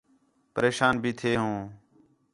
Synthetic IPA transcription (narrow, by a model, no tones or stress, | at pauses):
pəɾeːʃaːnbʱiːt̪ʰeːɦõː